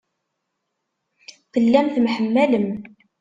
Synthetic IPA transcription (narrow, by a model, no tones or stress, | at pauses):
θəlːæmθmħəmːæləm